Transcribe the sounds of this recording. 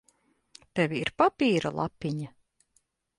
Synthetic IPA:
t̪ɛvʲiiɾpapiːɾalˠʔa̰piɲa

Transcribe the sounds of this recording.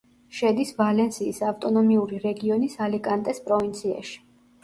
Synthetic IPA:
ʃɛd̪isvalɛnsiːsaft̪ʼɔnɔmiuɾiɾɛɡiɔnisalikʼant̪ʼɛspʼɾɔvint̪sʰia̰ʃi̥

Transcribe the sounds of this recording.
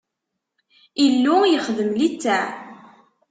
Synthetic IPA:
ilːujəχðəmlit͡sːæ

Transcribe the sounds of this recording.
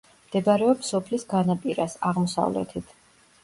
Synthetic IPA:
md̪̥ɛbaɾɛɔpsɔpʰlisɡanapʼiɾasaʁmɔsa̰vlɛ̰t̪ʰit̪ʰ

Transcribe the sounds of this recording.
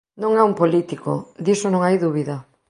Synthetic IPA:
nõŋaumpolit̪ikod̪isonõŋajðuβiðɐ

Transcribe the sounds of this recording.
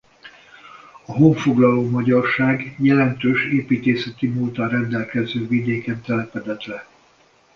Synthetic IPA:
ɒɦoɱfo̞ɡlɒloːmɒɟɒrʃaːɡjɛlɛnt̪øːʃeːpiːt̪eːsɛt̪imult̪ɒrɛnd̪ɛlkɛzøːvid̪eːkɛnt̪ɛlɛpɛd̪ɛt̪ʋɛ

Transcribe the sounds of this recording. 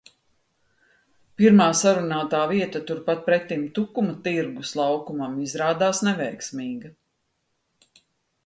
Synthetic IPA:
piɾmaːsaɾunaːt̪aːviɛt̪at̪uɾpat̪̚pɾɛt̪ːimt̪ukumɐt̪iɾɡuslˠɑwkumamizɾaːd̪aːsnɛvɛjksmiːɡa

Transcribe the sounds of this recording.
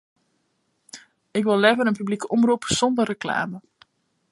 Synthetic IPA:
ɪkʋɪlˠɛvəɾənpyblikəʔɔmrupsɔndərəkla̰ːmə

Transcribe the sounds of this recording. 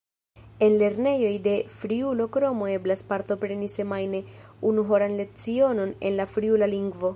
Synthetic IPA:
e̞nle̞ɾne̞jo̞jde̞fɾiulo̞kɾo̞mo̞e̞blaspaɾto̞pɾe̞nise̞majne̞unuɦo̞ɾanle̞k̚t͡sio̞no̞ne̞̰nlafɾiulaliŋɡvo̞

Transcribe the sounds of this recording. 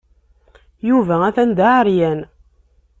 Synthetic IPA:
juvææθænd̪aʕəɾjæn

